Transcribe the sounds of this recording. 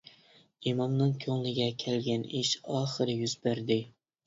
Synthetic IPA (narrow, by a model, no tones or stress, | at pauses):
imɑmnɪŋkʲʰøŋlɪɡʲɛkʲʰælɡʲænɪʃɑːχɨɾɨjyzbæɾd̪ɪ